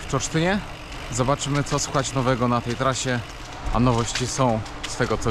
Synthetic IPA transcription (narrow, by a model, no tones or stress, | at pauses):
ft͡ʂɔɾʂt̪ɘɲɛ | zɔbat͡ʂɘmɘt̪sɔswɘxat͡ɕnɔvɛɡɔnat̪ɛjt̪ɾaɕɛ | a̰nɔvɔɕt͡ɕisɔ̃w̃ | sfɛɡɔt̪sɔ